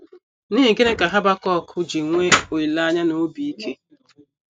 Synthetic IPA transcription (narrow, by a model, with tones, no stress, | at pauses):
ni˦ɦi˨ɡe˦ne˦ka˨ɦa˦ba˦kɔ˦˨kʰʊ˦d͡ʒi˨ŋʷe˦o˨i˨la˦ɲa˦no˨˦bi˨i˦kʰe˦